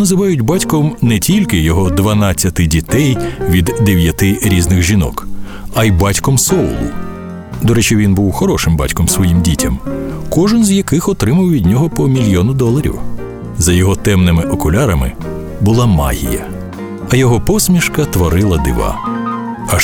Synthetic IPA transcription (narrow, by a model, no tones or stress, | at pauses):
nɐzɪʋɑjʊdʲbɑtʲkɔmnɛtʲilʲkɪjɔɦɔd̪ʋɐnɑt͡sʲːɐt̪ɪdʲit̪ɛjʋʲid̪ːeʋʲjɐt̪ɪɾʲiznɪxʒʲinɔ̰k | ɐjbɑtʲkɔmsɔʊ̰lˠʊ̰ | d̪ɔɾɛt͡ʃiʋʲinbuwxɔɾɔʃɪmba̰tʲkɔmsʋɔjimdʲitʲɐmkɔʒɪnzjɐkɪxɔt̪ɾɪmɐwʋʲidʲnʲɔɦɔpɔmʲilʲjɔnʊd̪ɔlˠɐɾʲḭw | zɐjɔɦɔt̪ɛmnɪmɪʔɔkʊlʲaɾɐmɪ̰ | bʊlˠɑmɑ̰ɦʲḭjɐ̰ | ɐjɔɦɔpɔsʲmʲiʃkɐt̪ʋɔɾɪlˠɐd̪ɪ̰ʋɑ̰ | ɐ